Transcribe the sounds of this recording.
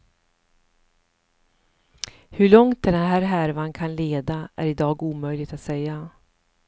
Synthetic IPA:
hɵɭɔŋt̪̚d̪ɛd̪ɛnɦæːɾɦæɾvankʰanleːd̪aʔæ̰ɾɪd̪ɑːɡuːmœjlɪɡt̪at̪sɛjːa

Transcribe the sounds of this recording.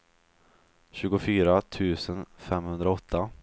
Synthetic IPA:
ɕʉːɡʊfyːɾat̪ʰʉ̟ːsənfɛmːhɵnd̪ɾaɔt̪ʰːa

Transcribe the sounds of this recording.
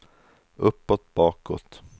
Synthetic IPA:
ɵpːɔt̪bɑːkɔ̰t̪

